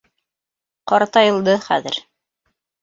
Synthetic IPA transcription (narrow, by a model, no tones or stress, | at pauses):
qɑɾt̪ɑjɤ̆lˠd̪ɤχæ̰ðɘ̰̆ɾ